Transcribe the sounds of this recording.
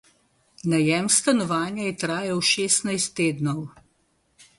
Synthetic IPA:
najɛmst̪anɔʋaːnjaɛt̪ɾaːjɛwʃeːsnajst̪ːeːd̪nɔw

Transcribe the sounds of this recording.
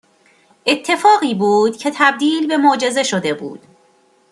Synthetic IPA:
ʔe̞t̪ʰːe̞fɒːɣiːbuːd̪̥cʰe̞t̪ʰæb̚d̪iːlbe̞mod͡ʒe̞ze̞ʃo̞d̪e̞bṵːd̪̥

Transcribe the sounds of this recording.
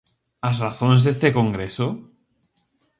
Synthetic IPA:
azraθõnzðest̪ekõŋɡɾeso

